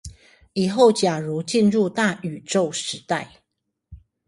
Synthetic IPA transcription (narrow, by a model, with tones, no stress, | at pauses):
i˨˩xo˥˨ʊt͡ɕja˨˩ɻu˨˦t͡ɕi˥˧nɻu˥˧t̪a˥˨y˨˩ʈ͡ʂo˥˨ʊʂɻ̩˧˦t̪a˥˨ɪ